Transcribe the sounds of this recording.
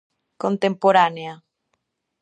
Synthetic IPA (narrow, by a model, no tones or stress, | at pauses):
kont̪empoɾanea